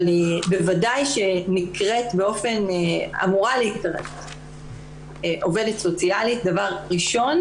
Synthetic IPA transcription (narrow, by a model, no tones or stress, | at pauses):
libevadajʃenikʁetbeo̞fe̞na̰muʁaleikʁḛt | ʔo̞ve̞detso̞t͡sialit̚davaʁʁiʃo̞n